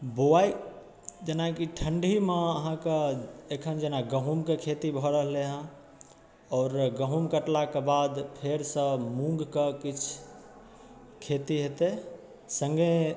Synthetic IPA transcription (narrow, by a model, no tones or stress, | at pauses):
boai | d͡ʒenakiʈʰəɳɖʱimẽəɦãkeekʰənd͡ʒenaɡəɦumkekʰet̪ibʱəɾəɦleɦã | ɔːɾɡəɦumkəʈlakebad̪pʰeɾsə̃mũŋɡkekit͡ʃʰ | kʰet̪iɦet̪e | sə̃ŋɡe